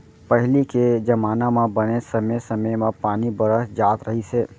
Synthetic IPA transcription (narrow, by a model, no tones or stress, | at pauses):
pəɦliked͡ʒɐmaːnamãbɐnesɐmesɐməjmãpaːnibɐɾəsd͡ʒaːt̪ɾɐɦiseː